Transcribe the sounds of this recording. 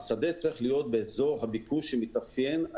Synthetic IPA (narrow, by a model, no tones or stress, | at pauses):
sad̪e̞t͡saʁiχlijo̞t̪̚beːzo̞ʁhabikuʃemit̪afje̞n